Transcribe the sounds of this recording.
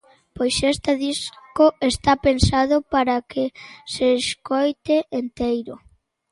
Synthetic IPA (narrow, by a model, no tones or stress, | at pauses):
pojsest̪aðiskoest̪apensaðʊpaɾakɪseskojt̪eʔent̪ejɾʊ